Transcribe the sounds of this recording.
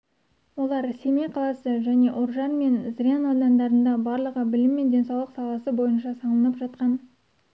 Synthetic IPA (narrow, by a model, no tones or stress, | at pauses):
wo̞lˠɑɾse̞meqʰɑlˠɑsəʒæne̞ʔoɾʒɑnme̞nzrijanod̪ɑnd̪ɑɾənd̪ɑbɑɾlˠəʁəbɪlɪmːe̞nd̪e̞nsɑwlˠəqsɑlˠɑsəbo̞jənʃɑsɑlˠənəpʒɑt̪qɑn